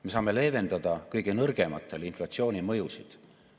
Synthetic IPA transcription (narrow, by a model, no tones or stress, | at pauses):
me̞sɑːme̞le̞ːve̞nd̪ɑd̪̥ɑkɤjɡ̥enɤrɡ̥e̞mɑt̪ːˑe̞linflɑtsio̞ːnʲimɤjusid̪̥